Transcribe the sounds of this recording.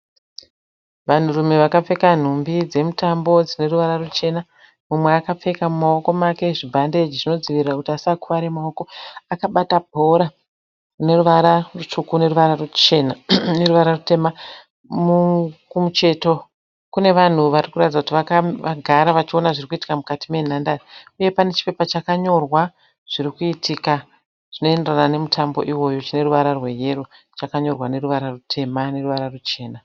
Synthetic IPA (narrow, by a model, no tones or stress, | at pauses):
ʋan̤urume̞ʋakap͡fe̞kan̤umbid͡ze̞mutambo̞d͡zine̞ruʋaɾarut͡ʃe̞na | mumweakap͡fe̞kamumaoko̞make̞ʐibʱande̞d͡ʒiʐino̞ziʋirirakutiasakuʋaɾe̞mao̞ko̞akaɓatabʱo̞ɾa | une̞ruʋaɾarut͡ʂukune̞ruʋararut͡ʃenane̞ɾuʋaɾarute̞ːma | mukumut͡ʃe̞to̞ | kune̞ʋan̤uʋarikuratid͡zakutiʋakaʋaɡʱaɾaʋat͡ʃio̞naʐirikuiti̥kamukatime̞n̤andaiuje̞pane̞t͡ʃi̥pe̞pat͡ʃakaɲo̞rwa | ʐ̥iɾikuitʰika | ʐ̥ino̞e̞nderanane̞mutʰambo̞̰ʔiwo̞jo̞t͡ʃine̞ruʋaɾarwe̞je̞ɾu | t͡ʃakaɲo̞rwane̞ɾuʋaɾarutʰe̞mane̞ruʋaɾarut͡ʃe̞ːna